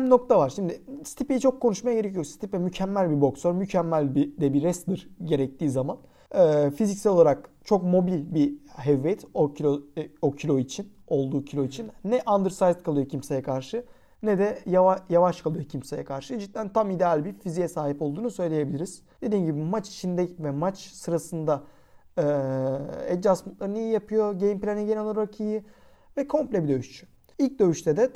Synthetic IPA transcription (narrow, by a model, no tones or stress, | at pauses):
mno̞k̚t̪ʰavaɾʃimd̪ɪst̪ʰipijit͡ʃʰo̞kʰːo̞nuʃmajaɟe̞ɾecʰijo̞ɾst̪ipɛmycʰɛmːælʲbibo̞ksoɾmycʰɛmːælʲbid̪ɛbiɾɛst̪d̪ɯɾɟe̞ɾɛc̚t̪ʰiːzaman | ɛːfizicsælʲo̞lˠaɾakt͡ʃʰo̞kmo̞bilʲbiɦɛvːɛt̪ocʰʲoocʰilʲo̞it͡ʃʰin | o̞lˠd̪uːcʰilʲo̞it͡ʃʰinːɛʔand̪ɯɾsajzt̪kʰalˠɯjocʰimsejɛkʰaɾʃɯ | nɛd̪ɛjaajavaʃkʰalˠɯjo̞cʰimse̞jɛkʰaɾʃɯd͡ʒit̪ʲːlʲænt̪ʰamid̪ealʲbiɾfizijɛsaːɦipo̞lˠd̪uːnusø̞jlʲeje̞bilʲiɾiz̥d̪e̞d̪iːmɟibimat͡ʃi̥t͡ʃʰind̪ɛcvɛmat͡ʃsɯɾasɯnd̪a | ɯ | ɛd͡ʒasmunt̪lˠaɾɯnijijapʰɯjo̞ɟejimplʲenɛɟenolˠaɾɾacʰɯjɯ | vɛkʰo̞mplʲɛbid̪ø̞yʃt͡ʃʰy̥ | ilʲc̚d̪ø̞jyʃt̪ʰɛd̪ɛ